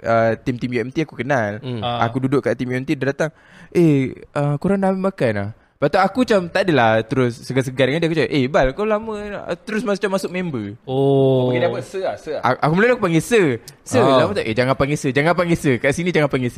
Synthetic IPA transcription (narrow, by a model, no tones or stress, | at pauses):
ət̪imt̪imjuɛmt̪iakukənala̰kududʊʔkaʔt̪imjuɛmt̪idadat̪aŋ | eʔəkuɾaŋnamimakanla̰h | pat̪aakut͡ʃamt̪adəlaht̪əɾʊsːəɡas̬əɡadəŋandakut͡ʃaʔebalakolamə̰̃t̪əɾʊsmasʊʔt͡ʃamasʊk̚membəoɡedapəsəsəaʔakuməlulakupaŋɡesəsəlamət̪aʔed͡ʒaŋanpaŋɡesəd͡ʒaŋanpaŋɡesəkaʔsinĩd͡ʒaŋanpaŋɡes